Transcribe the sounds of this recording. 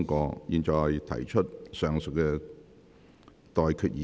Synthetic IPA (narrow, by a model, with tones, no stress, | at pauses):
ŋkɔː˧jiː˨˧nt͡ʃɔː˨hɐ˨jjt̪ʰɐ̰˨˩jt͡ʃʰɵ˥t̚sœː˨˩ŋsɵ˨kkɛ˧ | t̪ɔː˨jkʰyː˨˧t̚jiː˨